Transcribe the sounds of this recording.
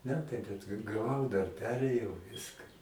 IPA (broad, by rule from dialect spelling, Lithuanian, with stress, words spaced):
ˈmʲæːtɐɪ bʲɛt ɡɐ ɡɐˈʋɐʊ dɐr ˈpʲæːrʲeːjɛʊ ˈʋʲɪskɐ